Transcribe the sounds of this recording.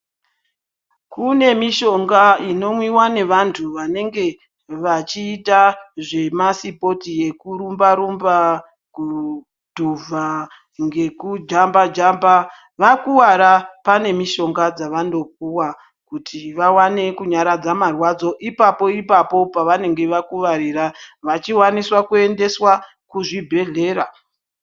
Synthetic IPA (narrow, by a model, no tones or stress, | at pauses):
kune̞miʃo̞ŋɡaino̞mwiwane̞ʋantʰuʋane̞ŋɡe̞ | ʋat͡ʃiːtaʐe̞masipo̞tije̞kuɾumbaɾumba | ku | dʱuvʱa | ŋɡe̞kud͡ʒambad͡ʒamba | ʋakuwaɾapane̞miʃo̞ŋɡad͡zaʋando̞p̚uwa | kutʰiʋawane̞kuɲaɾad͡zamarwad͡zo̞ʔipapo̞ipapo̞paʋane̞ŋɡe̞ʋakuʋaɾiraʋat͡ʃiwaniswakue̞nde̞swa | kuʐibʱe̞ɮe̞ːɾa